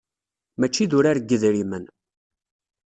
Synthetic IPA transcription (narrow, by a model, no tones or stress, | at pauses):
mæt͡ʃːiðʊɾaɾəɡːəðɾimən